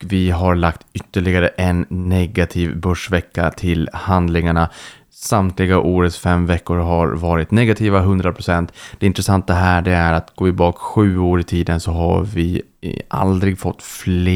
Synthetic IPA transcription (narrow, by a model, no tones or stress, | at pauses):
vɪɦaɾɭakt̪ʏt̪ːəɭɪɡaɾəʔɛnːɛɡat̪ʰiːvbœʂvɛkːa̰t̪ʰɪlhand̪lɪŋaɳa | samt̪lɪɡaʔoːɾət̪sfɛmvɛkːʊɾɦaɾvɑːɾɪt̪nɛɡat̪ʰiːvaɦɵnd̪ɾapʰɾʊsɛnt̪d̪̥ɛɪnt̪ɾɛsant̪ːaɦæːɖɛæɾat̪ɡoːɪbɑːkɧʉ̟ːoːɾɪt̪ʰiːd̪ənsɔɦa̰vɪ | ʔa̰ld̪ɾɪɡfɔt̪ːflː